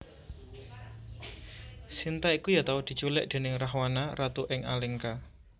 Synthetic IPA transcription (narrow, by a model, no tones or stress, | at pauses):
sint̪aikujat̪aud̪̥i̤t͡ʃulɪʔd̪̥e̤nɪŋraɦwanarat̪uʔɪŋʔa̰lɪŋka